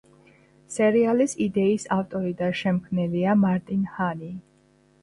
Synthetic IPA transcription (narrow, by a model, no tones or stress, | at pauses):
sɛɾialisid̪ɛisaft̪ʼɔɾid̪aʃɛmkʰvnɛliamaɾt̪ʼinhani